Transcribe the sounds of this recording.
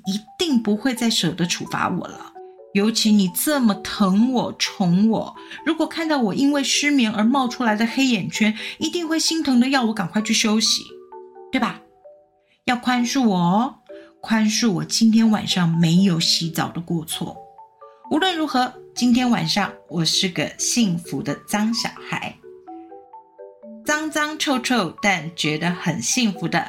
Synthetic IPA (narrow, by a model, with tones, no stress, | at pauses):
i˧˥t̪i˥˩ŋpu˧˥xwe˥˧ɪt͡sa˥˩ɪʂɤ˨˩d̪ə˦ʈ͡ʂʰṵ˨˩fa̰˧˥wɔ̰˨˩lə̰˦ | jo˧˥ʊt͡ɕʰi˧˥ni˨˩t͡sə˥˩mə˩t̪ʰɤ˧˥ŋwɔ˨˩ʈ͡ʂʰʊ˧˥ŋwɔ̰˨˩˦ | ɻu˧˥kwɔ˨˩kʰa˥˧nt̪ɑ˥˩ʊwɔ˨˩ʔi˥nwe˥˩ɪʂɻ̩˥mi˧˥ŋə˞˧˥mɑ˥˧ʊʈ͡ʂʰu˥la˧˥ɪd̪ə˧xe˥ɪjɛ˨˩nt͡ɕʰɥɛ˥ni˧˥t̪i˥˧ŋxwe˥˩ɪɕi˥ŋt̪ʰʊ˧˥ŋd̪ə˧jɑ˥˩ʊwɔ˧˥kɑ˨˩ŋkwa˧t͡ɕʰy˥˩ɕjo˥ʊɕḭ˨˦t̪we˥˩ba˨˩ | jɑ˥˩ʊkʰwa˥nʂu˥˩wɔ˨˩kʰwa˥nʂu˥˩wɔ˨˩t͡ɕi˥nt̪ʰjɛ˥nwa̰˨˩nʂɑ˥˩ŋme˧˥ɪjo˧˥˩ʊɕi˧˥t͡sɑ˨˩ʊd̪ə˦kwɔ˥˧t͡sʰwɔ̰˥˩ | u˧˥lwə˥˩nɻu˧˥xɤ˧˥t͡ɕi˥nt̪ʰjɛ˥nwa̰˨˩nʂɑ˥˩ŋwɔ˨˩ʂɻ̩˥˩ɡə̰˩ɕi˥˩ŋfu˧˥d̪ə˧t͡sɑ˥ŋɕjɑ̰˨˩ʊxa˧˥ɪ | t͡sɑ˥ŋt͡sɑ˥ŋʈ͡ʂʰo˥˧ʊʈ͡ʂʰo˥˧ʊt̪a˥˩nt͡ɕɥɛ˧˥d̪ə˧xə˨˩nɕi˥˩ŋfu˧˥˦d̪ə̰˧